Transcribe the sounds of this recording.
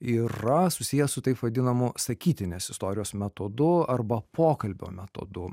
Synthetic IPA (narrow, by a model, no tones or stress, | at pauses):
iːɾɐsʊsʲiːjɛsʊt̪ɐɪpʋɐd̪ʲɪnɐmʊsɐkʲiːt̪ʲɪnʲeːsɪst̪oːɾʲɪjoːsmʲɛt̪od̪ʊɐɾbɐpʰoːkɐlʲbʲo̰ːmʲɛt̪o̰d̪ʊ